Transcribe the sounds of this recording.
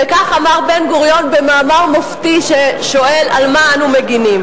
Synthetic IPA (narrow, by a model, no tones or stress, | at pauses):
vekaχamaʁbe̞nɡuʁjo̞nbe̞maːmaʁmoftiʃeʃo̞ʔe̞lalmaanumeɡinim